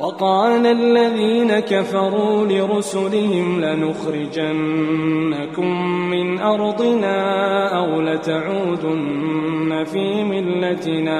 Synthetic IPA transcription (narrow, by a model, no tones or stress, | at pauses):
wɑqɑːlalːaðiːnakafɑɾˤuːlɪɾʊsʊlɪhɪmlɪnʊxɾɪd͡ʒanː | akʊmːɪnʔɑɾˤd̪ˤɪnaːʔawlat̪aʕuːd̪ʊnːafiːmɪlːat̪ɪnaː